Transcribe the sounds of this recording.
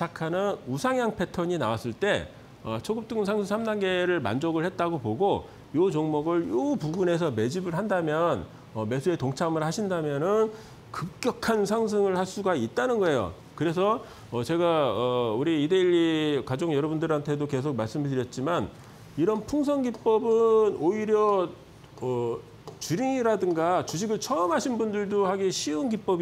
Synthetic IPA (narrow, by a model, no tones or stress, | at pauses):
akʰanɯnusʰaŋjaŋpʰe̞tʰʌɲinawas͈ɯɭt͈e̞ | ʌt͡ɕʰʌɡup̚t͈ɯŋnsʰaŋsʰɯsʰamdanɡe̞ɾɯɭma̰nd͡ʑoɡɯɭhe̞t̚t͈aɡopoɡo | jot͡ɕoŋmʌɡɯɭjopuɡune̞s̬ʰʌme̞d͡ʑibɯɭɦandamjʌn | ʌme̞sʰue̞toŋt͡ɕʰamɯɭhaɕʰindamjʌnɯn | kɯk̚k͈jʌkʰansʰaŋs̬ʰɯŋɯɭhaɭs͈uɡait̚t͈anɯnɡʌe̞jo̰ | kɯɾe̞s̬ʰʌ | ʌt͡ɕe̞ɡaʌuɾiːdeiʎːikad͡ʑoŋjʌɾʌbundɯɾɦantʰe̞doke̞sʰok̚maɭs͈ɯmtɯɾjʌt̚t͡ɕ͈iman | iɾʌnpʰuŋs̬ʰʌŋɡip͈ʌbɯnoiɾjʌ | ʌ | t͡ɕuɾiŋiɾadɯŋɡat͡ɕuɕ̬ʰiɡɯɭt͡ɕʰʌɯmɦaɕʰinbundɯɭdohaɡeɕʰiunɡip͈ʌb